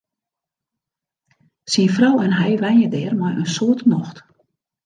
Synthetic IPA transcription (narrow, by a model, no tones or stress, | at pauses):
sinfrawɛnɦɛjʋɛnjədɛːrmajənsoətnɔxt